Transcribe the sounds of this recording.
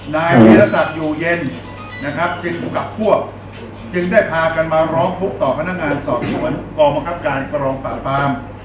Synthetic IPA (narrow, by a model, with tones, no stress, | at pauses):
naː˧jmiː˧ɾa˧˥sa˨˩t̪̚juː˨˩je˧n | na˦˥kʰɾa˦˥p̚t͡ɕi˧ŋu˨˩ka˨˩p̚pʰːu˥˩ək̚ | t͡ɕɯ˧ŋdaː˥˩jpʰaː˧ka˧nmaː˧ɾɔː˦˥ŋtʰu˦˥k̚t̪ɔː˨˩pʰa˧na˦˥k̚ŋaː˧nsɔː˨˩t̪̚su˨˩˦ənkɔː˧ba˧ŋkʰa˦˥p̚kaː˧nkɾɔː˧ŋpa̰ː˨˩faː˦˥m